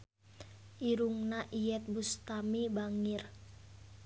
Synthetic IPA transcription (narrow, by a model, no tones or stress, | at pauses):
ʔiɾuŋnaʔijɛt̪̚bust̪amibaŋɪr